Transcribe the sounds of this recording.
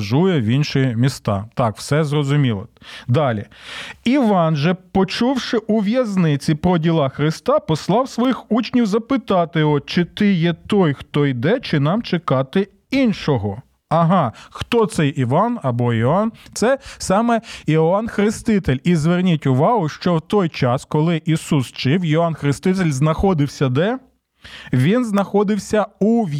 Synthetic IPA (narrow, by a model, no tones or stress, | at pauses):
ʒujɛʋʲinʃimʲist̪ɑ̰t̪ɑkw̥sɛzrɔzʊmʲilˠɔ̰d̪ɑlʲiiʋɑnʒɛpɔt͡ʃuwʃɪʔuʋʲjɐznɪt͡sʲipɾɔdʲilˠɑxɾɪst̪ɑpɔslˠɑwsʋɔjixut͡ʃnʲiwzɐpɪt̪ɑt̪ɪɔt͡ʃɪt̪ɪjɛt̪ɔjxt̪ɔjd̪ɛt͡ʃɪnɑmt͡ʃɪkɑt̪ɪ | inʃɔɦɔ | ɐɦɑxt̪ɔt̪sɛjʔiʋɑnɐbɔiɔɑnt̪sɛsɑmɛiɑnxɾɪst̪ɪt̪elʲizʋernʲitʲʊʋɑɦʊʃt͡ʃɔwt̪ɔjt͡ʃɑskɔlˠɪʔisust͡ʃɪwiɔɑnxɾɪst̪ɪt̪̬elʲznɐxɔd̪ɪwsʲɐd̪ɛ | ʋʲinznɐxɔd̪ɪwsʲɐuʋʲ